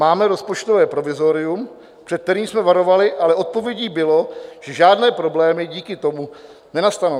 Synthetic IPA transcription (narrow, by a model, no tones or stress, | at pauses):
maːmɛɾo̞spo̞t͡ʃt̪o̞vɛːpɾo̞vɪzo̞ɾɪum | pr̝̥ɛt̪̚t̪ɛɾiːmsmɛvaɾo̞valɪʔalɛʔo̞t̪̚po̞vjɛɟiːbɪlo̞ʒ̥ɛʒaːdnɛːpɾo̞blɛːmɪɟiːkɪt̪o̞mu | nɛnast̪ano